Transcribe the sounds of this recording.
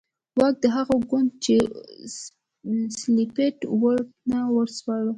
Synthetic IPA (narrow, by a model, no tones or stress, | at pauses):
wɑk̚d̪əɦaɣaɡʊnd̪̚t͡ʃe | slipeʈwəɾk̚nawəɾswɑɽə